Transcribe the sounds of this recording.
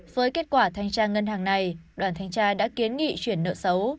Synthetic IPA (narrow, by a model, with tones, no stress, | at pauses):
v̥əː˨˦jke˦˥t̚kwaː˧˩t̪ʰa˧jŋ̟t͡ɕaː˧ŋə˧nɦaː˨˩ŋna˨˩jɗwaː˧˩nt̪ʰa˧jŋt͡ɕaː˧ɗa̰ː˧˥ki˨˦ənŋḭ˧˨t͡ɕwi˧˩ənːə̰ː˧˨sə˨˦w